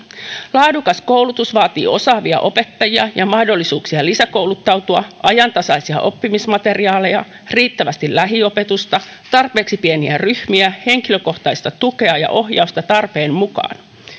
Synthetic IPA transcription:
lɑːdukɑsko̞wlut̪usʋɑːt̪ḭːo̞sɑːʋiɑ̰ʔo̞pe̞t̪ːɑjiɑ̰jɑmɑhdolːisuːksiɑlisæko̞wlut̪ːɑwt̪uɑʔɑjɑnt̪ɑsɑisiɑ̰ʔo̞pːimismɑt̪e̞riɑːle̞jɑ | riːt̪ːæʋæst̪illæɦio̞pe̞t̪ust̪ɑ | t̪ɑrpe̞ːksipieniæryhmiæhe̞ŋkiløko̞ht̪ɑist̪ɑt̪uke̞ɑjɑ̰ʔo̞ɦjɑust̪ɑt̪ɑrpe̞ːmmukɑ̰ːn

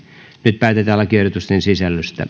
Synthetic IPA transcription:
nyt̪̚pæːt̪et̪æːlɑkierdot̪ust̪ensisælːyst̪æ̰

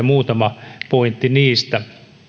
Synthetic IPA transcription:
muːt̪ɑmɑpoint̪ːiniːst̪æ

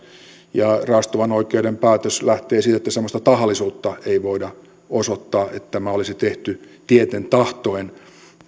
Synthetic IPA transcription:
jɑrɑst̪oʋɑnoikeudempæːt̪øslæht̪eːsit̪et̪ːæsemːˑost̪ɑt̪ɑhɑlːˑisuːt̪ːɑeiʋoidɑ | osot̪ːɑːʔḛt̪ːt̪ːæmæolisit̪eht̪yt̪iet̪ent̪ɑht̪oen

